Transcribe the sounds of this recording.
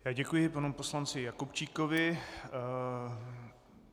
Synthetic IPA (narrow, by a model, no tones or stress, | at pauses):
jaːɟɛkujɪpanuposlant͡sɪjakupt͡ʃiːkovɪ